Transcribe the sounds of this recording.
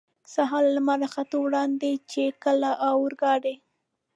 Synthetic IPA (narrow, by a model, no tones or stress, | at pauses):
saɦɑlːamaɾɑxat̪owɽɑnd̪et͡ʃekəlaʔawəɾɡɑɽe